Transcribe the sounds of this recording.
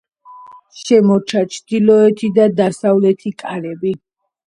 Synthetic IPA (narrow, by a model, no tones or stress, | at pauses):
ʃɛmɔt͡ʃʰat͡ʃʰd̪ilɔɛt̪ʰid̪ad̪asavlɛt̪ʰikʼaɾɛbi